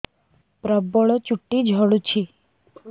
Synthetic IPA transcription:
pɾəbɔɭot͡ʃuʈːid͡ʒʱəɽut͡ʃʰi

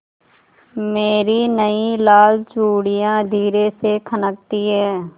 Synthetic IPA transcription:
meːɾinəilaːlt͡ʃuːɽijãd̪ʱiːɾesekʰənək̚t̪iɦɛː

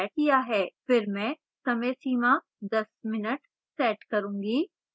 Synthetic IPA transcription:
ɛːʈjaɦɛːfɪɾmɛ̃ː | sɐmẽsiːma | d̪ɐsmɪnəʈ | sɛːʈkɐɾũːŋɡiː

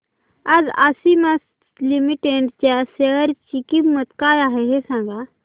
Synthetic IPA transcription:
ad͡zasimas | limiʈeɳɖt͡ɕjaseəɾt͡ɕikimmət̪kajaɦeɦesãŋɡa

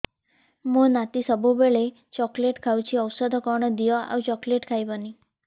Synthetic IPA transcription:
monat̪isəbubeɭe | t͡ʃɔkleʈkʰawt͡ʃʰiɔwsəd̪ʱɔkɔɾɳɔd̪ijɔa̰ʋt͡ʃɔkleʈkʰajbəni

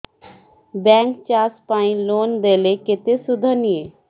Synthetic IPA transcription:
bɛ̃ːŋkt͡ʃaːspaːĩloːnd̪eːlekɪt̪esʊd̪ʱənije

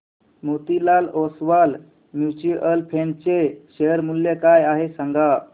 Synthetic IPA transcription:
mot̪ilalɔsʋal | mjut͡ɕiʔəlpʰent͡ɕeɕeəɾmulːekajaɦesaŋɡa

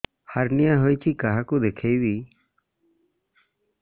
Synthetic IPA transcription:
haɾnijaɦojt͡ʃʰikaɦakud̪ekʰejbi

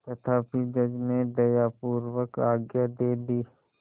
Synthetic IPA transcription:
t̪ɐt̪ʰaːpid͡ʒɐd͡ʒned̪ɐjaːpuːɾwəkaːɡjad̪eːd̪iː

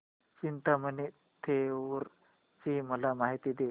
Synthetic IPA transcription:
t͡ɕint̪aməne | t̪ʰeʋəɾ | t͡ɕiməlamaɦit̪iːd̪e

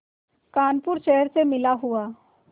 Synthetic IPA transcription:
kaːnpʊɾʃɛɦəɾsemɪlaɦʊaː

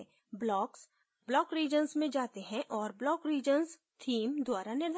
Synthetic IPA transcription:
blɔːks | blɔːkɾiːd͡ʒənsmẽd͡ʒaːt̪eɦɛ̃ʔɔːɾblɔːkɾiːd͡ʒəns | t̪ʰiːmd̪waːɾanɪɾd̪

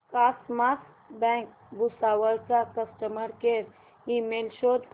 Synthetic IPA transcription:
kasmas | bɛ̃ŋk̚ | busaʋəɾt͡sakəsʈəməɾkeɾ | imelʃod̪

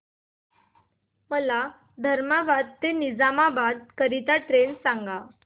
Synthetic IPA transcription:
məla | d̪ʱəɾmabad̪̚t̪enid͡zamabad̪̚kəɾit̪aʈɾensaŋɡa

